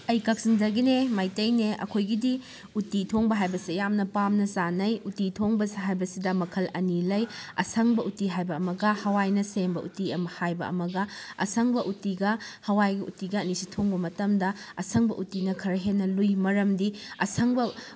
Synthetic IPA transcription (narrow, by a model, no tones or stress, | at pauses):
ɐjkɐk̚siŋd͡ʒɐɡinemajtɐjneɐ̰kʰojɡidi | utitʰoŋbɐɦajbɐsijamnɐpamnɐzanɐjutitʰoŋbɐsɦajbɐsidɐmɐkʰɐlɐnilɐjɐ̰sɐŋbɐʔutiɦajbɐɐmɐɡɐhɐwajnɐsembɐʔutiɐmɐhajbɐ̰ʔɐ̰mɐɡɐɐ̰sʰɐŋbɐʔutiɡɐhɐwajɡɐṵtiɡɐːnisitʰoŋbɐmɐtɐmdɐɐsɐŋbɐ̰ʔutinɐkʰɐɾɐɦenːɐlujmɐɾɐmdiɐsɐŋbɐ